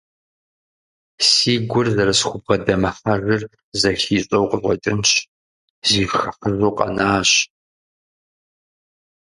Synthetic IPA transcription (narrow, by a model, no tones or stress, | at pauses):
siːɡʷʊrzɐɾɐsxʷʊbʁɐdɐmɐfɐɣɨr | zɐɬiːɕʼɐwqəzʁʷɔ̰tʼɨnt͡ʃ | ziːxɐfəzoːqʼɐ̰naːɕ